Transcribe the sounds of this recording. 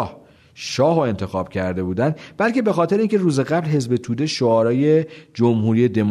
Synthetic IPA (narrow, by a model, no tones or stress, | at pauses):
h | ʃɒːɦoe̞nt̪ʰe̞xɒːb̥cʰæɾd̪e̞buːd̪ænd̪bælce̞bexɒːt̪ʰe̞ɾeiŋcʰe̞ruːze̞ɣæblɦe̞zbe̞t̪ʰuːd̪eʃoɒːɾɒːje̞d͡ʒomhuːɾije̞d̪e̞m